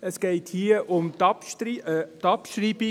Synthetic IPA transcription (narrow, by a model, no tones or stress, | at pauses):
əsɡ̥ɛɪthiəʔʊmtɑpʃiətɑpʃɾiːbi